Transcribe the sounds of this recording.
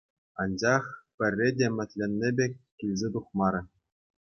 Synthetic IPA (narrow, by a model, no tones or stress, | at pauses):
ɑnd͡ʑɑχpʲɘ̆rʲːedʲemʲɘ̆t̪ʲlʲenʲːebʲekʲːilʲzʲet̪uχmɑɾʲɘ̆